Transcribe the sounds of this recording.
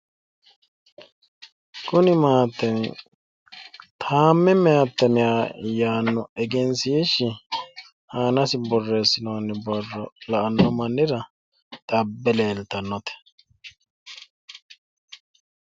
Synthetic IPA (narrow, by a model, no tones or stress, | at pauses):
kʊnɪmaːt̪ːɛn | t̪ʰaːmːɛmɛat̪ːɐmɪjaːjaːnːɔɛɡɛnsiːʃɪ | aːnɐsɪbɔrːeːsːɪnoːnːɪbɔrːɔlɐʔɐnːɔmɐnːɪɾɐ | d̪̥ɐbːɛleːlt̪ːɐnːɔt̪ɛ̥